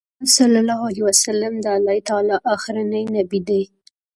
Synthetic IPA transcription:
salːalɑɦaliwasalamd̪əalɑit̪ɑlɑʔaxɾanajnabid̪aj

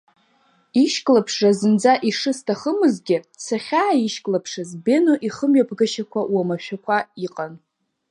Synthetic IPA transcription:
iʃkʼlapʰʂrazɨnd͡zaʔiʂɨstʰaχəmɨzɡʲɪ | saχʲaːiʃkʼlapʰʂazbe̞noʔiχəmɥapʰɡaʃakʷʰaʔwamaʃᶣakʷʰaiqʼan

